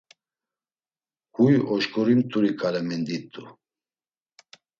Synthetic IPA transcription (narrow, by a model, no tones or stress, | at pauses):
hujɔʃkʼɔɾimt̪ʰʼuɾikʰʼalɛmɛnd̪it̪ʼːu